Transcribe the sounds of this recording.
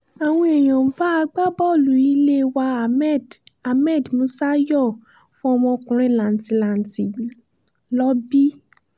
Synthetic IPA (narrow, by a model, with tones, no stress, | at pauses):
a˨w̃ɔ̃˧˦ɛ˨j̃ɔ̃˨m̩˨ba˨˦a˧ɡ͡ba˦bɔ˦˨lu˨i˧˦le˦wa˧˨˦a˨mɛ˦˨dmũ˨˦sa˦jɔ˦˨ | fũ˦ɔ˧mɔ̃˧kũ˨ɾ̃ĩ˦˨lã˨n̩˨ti˨la˨n˨ti˨ | lɔ˦bi˦